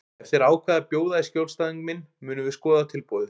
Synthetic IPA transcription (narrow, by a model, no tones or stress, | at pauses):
ɛft̪ɪɾaːwkʰvɛːðapjoːwðaðɪscjowlst̪aːðiŋkmɪnmʏːnʏvɪ̥skɔːðat̪ʰɪlpɔːðɪ